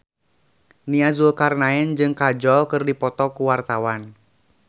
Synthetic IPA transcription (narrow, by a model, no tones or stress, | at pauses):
niazulkarnaɛnd͡ʒɨŋkad͡ʒɔlkɨrdipɔt̪ɔkuwart̪awan